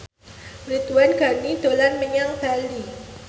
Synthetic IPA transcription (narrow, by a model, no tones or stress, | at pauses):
rit̪uanɡ̥a̤nid̪̥olanməɲaŋb̥ali